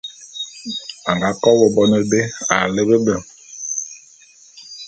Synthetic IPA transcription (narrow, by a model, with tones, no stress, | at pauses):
a˨ŋɡa˨˦kɔ˦wo˨bɔ˦ne˦be˦a̰˨le˦be˦bə˨ŋ